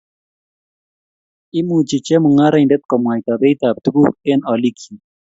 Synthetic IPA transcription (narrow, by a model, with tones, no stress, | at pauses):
i˦mu˨t͡ʃi˨t͡ʃɛ˦mu˨ŋa˦ɾa˨indɛ˦t̪kɔ˨mwa˨jt̪a˨be˦t̪a˨b̚t̪u˦ɡu˦˨ke˦nɔ˨li˦kʰi˨